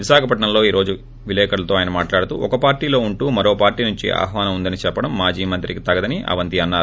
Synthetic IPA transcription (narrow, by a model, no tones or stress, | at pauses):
ʋiʃaːkʰɐpɐʈɳɐmlo̞ːiːɾo̞ːd͡ʒu | ʋilɛːkɐɽlɐt̪o̞ːaːjɐnɐmaːʈlaːɽut̪ṵːɔkɐpaːɾʈiːlo̞ːuɳʈuːmɐɾo̞ːpaːɾʈiːnuɲt͡ʃḭʔa̰ːɦʋaːnɐmund̪ɐnit͡ʃɛpːɐɽɐmːaːd͡ʒiːmɐnt̪ɾikit̪ɐɡɐd̪ɐniʔɐ̰ʋɐnt̪iɐnːaːɾu